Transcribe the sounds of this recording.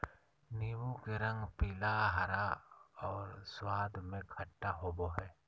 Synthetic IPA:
niwũkeɾə̃ŋɡpiːlaɦəɾaɔːɾswaːd̪ʱmẽkʰɐʈːaɦoːboɦɛː

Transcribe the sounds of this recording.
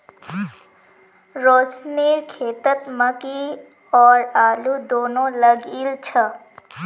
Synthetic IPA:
ɾoːsniːɾkʰeːt̪ət̪məki | ɔːɾaːlud̪oːnõləɡilt͡ʃʰə

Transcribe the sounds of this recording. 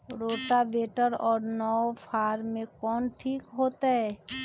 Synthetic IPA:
ɾoːʈabeːʈəɾɔːɾnɔpʰaːɾmẽkɔːnʈʰiːkɦoːt̪aɦɛː

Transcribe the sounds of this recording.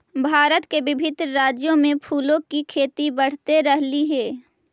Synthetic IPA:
bʱaːɾət̪kebɪbʱɪd̪ɾɾaːd͡ʒjõmẽpʰuːlõkikʰeːt̪ibɐɽ̤t̪eɾɐɦliɦɛː

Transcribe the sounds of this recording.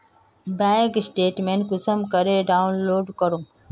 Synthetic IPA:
bɛ̃ŋksʈeːʈmẽɳʈkʊsəmkəɾeɖaːunloːɖkəɾũ

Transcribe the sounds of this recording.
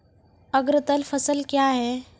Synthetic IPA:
ɐɡɾt̪əlfʰəsəlkjaːɦɛː

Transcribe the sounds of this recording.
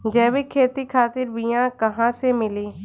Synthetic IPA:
d͡ʒɛːʋikʰeːt̪ikʰaːt̪ɪɾbɪjãkɐɦãsemɪliː

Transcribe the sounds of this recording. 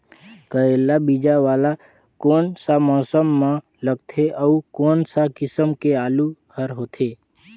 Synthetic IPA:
kəɾeːlabid͡ʒaʋaːla | koːnsamɔːsəmːã | ləɡt̪ʰeʔəukoːnsakɪsəmkeaːluhəɾɦoːt̪ʰeː

